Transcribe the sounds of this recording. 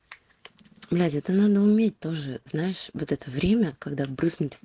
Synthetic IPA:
blʲætʲɛt̪ənad̪əʊmʲet̚ʲt̪o̞ʐɨznajɪʂvot̪ɛt̪əvɾʲemʲəkaɡd̪abɾɨznʊt̪ʲ

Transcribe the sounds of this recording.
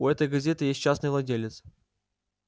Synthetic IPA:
uɛt̪əjɡɐzʲet̪ɨjesʲt̚ʲt͡ɕasnɨjvlˠɐdʲelʲɪt̪s

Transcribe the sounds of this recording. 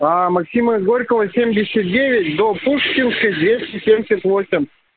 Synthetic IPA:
amɐksʲiməɡoɾʲkəvəsʲemʲdʲɪsʲɐt̪̚dʲevʲɪt̚ʲd̪opuʂkʲɪnskəjd̪vʲesʲtʲɪsʲemʲɪsʲɪt̪ʲvo̞sʲɪmʲ

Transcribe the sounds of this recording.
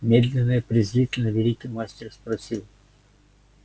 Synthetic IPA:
mʲed̪lʲɪnːɨjəpɾʲɪzɾʲitʲɪlʲnəvʲɪlʲikʲijmasʲtʲɪrspɾɐsʲilˠ

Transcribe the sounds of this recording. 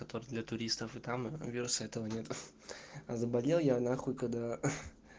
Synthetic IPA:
kɐt̪o̞ɾɨd̪lʲɐt̪ʊɾʲist̪əfɨt̪amvʲiɾʊsəɛt̪əvənʲe̞t̪ | ɐzəbɐlʲelˠjanaxolʲkɐɡd̪a

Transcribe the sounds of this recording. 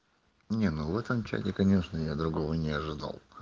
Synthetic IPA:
nʲenovɛt̪əmt͡ɕæ̰tʲɪkɐnʲe̞ʂnəjad̪ɾʊɡovənʲɪɐʐɨd̪a̰lˠ

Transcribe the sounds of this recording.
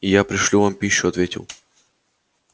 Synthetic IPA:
ɪjapɾʲɪʂlʲuvampʲiɕːʊɐt̪vʲetʲɪ̰lˠ

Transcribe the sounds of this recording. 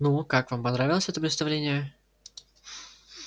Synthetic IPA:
nukakvampɐnɾavʲɪlˠəsʲɛt̪əpɾɪt̪st̪ɐvlʲenʲɪjə

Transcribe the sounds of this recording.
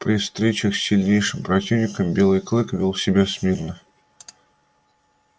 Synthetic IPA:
pɾʲɪfst̪ɾʲet͡ɕəxsʲːɪlʲnʲejʂɨmpɾɐtʲivnʲɪkəmbʲe̞lˠɨjklˠɨkvʲilˠsʲɪbʲasmʲirnə

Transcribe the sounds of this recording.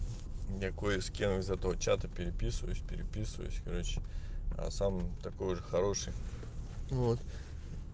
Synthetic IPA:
jakojskʲemɪzɛt̪əvət͡ɕat̪əpʲɪɾʲɪpʲisɨvə̰jʊsʲpʲɪɾʲɪpʲisɨvə̰jʊ̰sʲkɐɾo̞t͡ɕɪ̥a̰samt̪ɐko̞jʊʐɨxɐɾo̞ʂɨj | vo̞t̪

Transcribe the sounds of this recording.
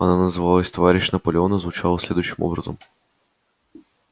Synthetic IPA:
ɐnanɐzɨvɑlˠɐsʲt̪ɔvaɾʲɪʃnɐpɔlʲɪɔnɐzvʊt͡ʃɑlˠɐsʲlʲed̪ʊjʃɪmɔ̰bɾɐzɔ̰m

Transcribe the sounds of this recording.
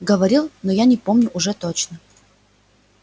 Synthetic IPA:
ɡəvɐɾʲilˠnojanʲɪpomnʲʊʔʊʐɛt̪ot͡ɕnə

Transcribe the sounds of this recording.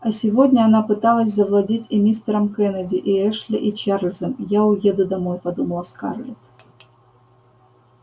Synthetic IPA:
ɐsʲɪvodʲnʲəɐnapɨt̪alˠəsʲzəvlˠɐdʲitʲɪmʲist̪əɾəmkɛnədʲɪʔiɛʂlʲɪ̰ʔit͡ɕaɾlʲzəmjaʊjed̪ʊd̪ɐmojpɐd̪uməlˠska̰rlʲɪt̪

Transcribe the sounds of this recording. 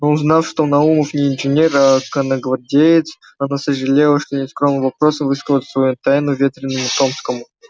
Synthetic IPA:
onznafʂt̪onɐuməfnʲɪːnʐɨnʲerakənəɡvɐrdʲejɪt̪s | ɐnasəʐɨlʲelˠəʂt̪onʲet̪skɾomnɨmvɐpɾo̞səmvɨskəzət̪ʲsvɐjut̪ajnʊvʲet̪ɾʲɪnːəmʊt̪o̞mskəmʊ

